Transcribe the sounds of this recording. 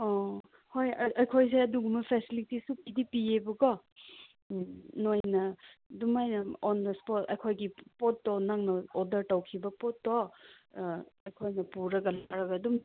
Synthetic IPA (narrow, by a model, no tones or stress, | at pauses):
ɔ | hojɐʔɐjkʰojs̬eɐduɡumɐpʰesilitisupidipiebɐɡɔ | nojnɐdumajnɐɔndɐspɔtɐ̰jkʰojɡipotːɔnaŋnɐɔdɐɾtɐwkʰibɐpotːɔ | ɐjkʰojnɐpuɾɐɡɐlaɾɐɡɐːdum